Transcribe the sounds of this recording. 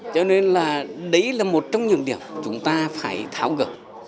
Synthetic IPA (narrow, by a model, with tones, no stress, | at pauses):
t͡ɕɔ˧ne˧nlaː˨˩ɗə˨˦jlaː˨˩mo˨˩t̚t͡ɕɔ˧wŋ͡mɲɨ̰˧˩əɗḭ˧˩əmt͡ɕʊ˨˦ŋ͡mt̪aː˧faː˧˩jt̪ʰaː˧˩wɣə̰˧˩p̚